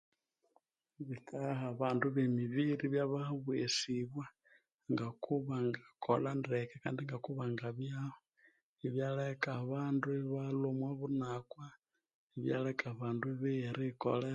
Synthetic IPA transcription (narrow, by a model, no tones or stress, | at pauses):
βikaɦaβaːnduβemiβiɾiβjaβahβwesiβwa | ŋɡakuβaŋɡakʰolandekekaːndiŋɡakuβaŋɡaβjaho | iβjalekaβandueβalomwaβunakwa | iβjalekaβaːnduβeɾiko̰le